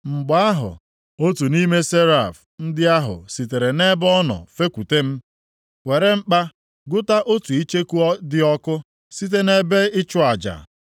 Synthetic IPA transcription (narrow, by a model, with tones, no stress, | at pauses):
ŋ͡m̩˨ɡ͡ba˨a˦ɦʊ̰˨ | o˦tu˨ni˦me˦se˦ɾa˨f | n̩˦dɪ˦a˦ɦʊ̰˨si˨te˨ɾe˨ne˦bɔ˦nɔ̰˨fe˦kʷu˨te˦m̩˦ | we˨ɾe˦ŋ͡m̩˦k͡pa˦ | ɡʊ˦ta˦ʔo˦tu˨i˦t͡ʃe˦ku˦ɔ˦dɪ˦ɔ˦kʊ˦ | si˦t̬e˦ne˦be˦ɪ˦t͡ʃʊ˦a˨d͡ʒa̰˨